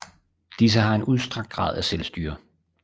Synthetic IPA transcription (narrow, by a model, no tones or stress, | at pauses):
d̥is̬əɦɑ̈e̝nuðˠsd̥ʁɑ̈ɡ̥̚d̥ɡʁɑ̰̈ːð̞̰ˠæselsd̥y̰ːɐ